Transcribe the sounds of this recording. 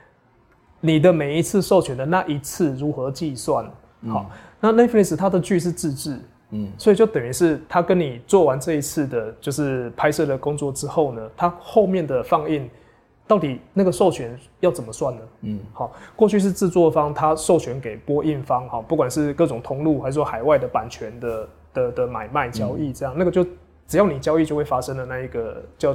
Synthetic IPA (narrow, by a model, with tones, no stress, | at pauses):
ni˨˩d̪ə˦me˨˩ɪi˧˦t͡s̩ʰ˥˧ʂo˥˩ʊt͡ɕʰɥɛ˨˦nd̪ə˨na˥˨ʔi˧t͡s̩ʰ˥˩ɻu˨˦˥xɤ˧˦t͡ɕi˥˧swa˥˩n | hɔ̰˨˩na˥˧na˥˧fni˥˩s̩˨˩t̪ʰa˥d̪ə˨t͡ɕy˥˧ʂ̬ɻ̩˥˧ʈ͡ʂɻ̩˥˧ʈ͡ʂɻ̩˥˩ | swɔ˧˥i˨˩t͡ɕjo˥˩ʊt̪ə˨˩ny˧˥ʂɻ̩˥˩t̪ʰa˥kə˦˥nni˨˩t͡swɔ˥˨˩wa˧˦nʈ͡ʂɤ˥˧i˧˥t͡s̩ʰ˥˩d̪ə˩t͡ɕjo˥˧ʊʂɻ̩˥˩pʰa˥ɪʂɤ˥˩d̪ə˩kʊ˥˦ŋt͡swɔ˥˩ʈ͡ʂɻ̩˥xo˥˩ʊnə˩t̪ʰa˥xo˥˧ʊmjɛ˥˨nd̪ə˩fɑ˥˧ŋi˥˩n | t̪ɑ˥˩ʊt̪i˨˩na˥˩ɡə˩ʂo˥˩ʊt͡ɕʰɥɛ˧˦n | jɑ˥˩ʊt͡sə˨˩nmə˦swa˥˩nnə˩hɔ˨˩kwɔ˥˧t͡ɕʰy˥˧ʂ̬ɻ̩˥˧t͡sɹ̩˥˧t͡swɔ˥˨fɑ˥ŋt̪ʰa˥ʂo˥˩ʊt͡ɕʰɥɛ˧˥nke˨˩ɪpwɔ˥ʔi˥˩nfɑ˦ŋxɔ˨˩pu˥˩kwa˨˩nʂɻ̩˥˧kɤ˥˩ʈ͡ʂʊ˨˩ŋt̪ʰʊ˧˥ŋlu˥˩xa˧˥ʂ̩˨˩swɔ˥xa˨˩ɪwa˥ɪd̪ə˩pa˨˩nt͡ɕʰɥɛ˧˦nd̪ə˧ | d̪̥ə˨d̪ə˩ma˨˩ɪma˥˩ɪt͡ɕjɑ˥ʊi˥˨ʈ͡ʂɤ˥˧jɑ˥˩ŋna˥˩ɡə˩t͡ɕjo˥˩ʊ | ʈ͡ʂɻ̩˨˩jɑ˥˩ʊni˨˩t͡ɕjɑ˥ʊi˥˧t͡ɕjo˥˧ʊwe˥˩ɪfa˥ʂə˥ŋdə˨na˥˧˩i˧˥ɡə˩t͡ɕj